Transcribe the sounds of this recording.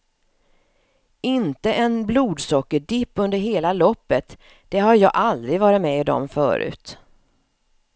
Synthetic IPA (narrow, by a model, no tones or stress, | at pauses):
ɪnt̪əʔɛnbluːd̪sɔkːəɖɪpːɵnd̪əɾɦeːlalɔpːət̪ | d̪̥ɛhaɾjɑːʔald̪ɾɪɡvɑːɾɪt̪mɛɪd̪ɔ̰mfœ̰ːɾʉ̟̰ːt̪